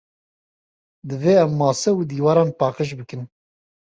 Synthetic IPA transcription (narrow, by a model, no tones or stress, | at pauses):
d̪ɨveːɛmːɑːsɛud̪iːwɑːɾɑːnpɑːqəʃ̬bɨkɨn